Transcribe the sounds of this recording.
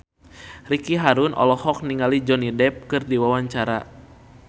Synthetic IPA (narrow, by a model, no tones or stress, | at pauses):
rikiɦaɾunʔɔ̰lɔhɔk̚niŋalid͡ʒɔnidɛp̚kɨrdiwawaɲt͡ʃaɾa̰